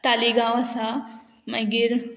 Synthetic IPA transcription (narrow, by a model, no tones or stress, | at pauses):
t̪aːliɡãʋɐsã | mɐ̃ɡɪɾ